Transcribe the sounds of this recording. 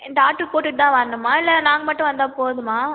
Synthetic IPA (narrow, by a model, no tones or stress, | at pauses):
ɪnd̪aːʈːɯpoːʈːɯt̪ãːʋɐɾnd̪ɯmːaːɪlːɐnaːŋɡɐmɐʈːʊ̃ʋɐnd̪ãːpoːðɯmaː